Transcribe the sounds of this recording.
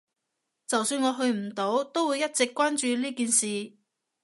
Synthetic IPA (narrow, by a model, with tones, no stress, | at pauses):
t͡sɐ˨wsyː˧nŋɔː˨˧ɦɵ˧ɥm̩˨˩t̪o˨˥wt̪o˥wuː˨˧jɐ˥t̚t͡sɪ˨kːʷwaː˥nt͡ʃyː˧liː˥kiː˨nsiː˨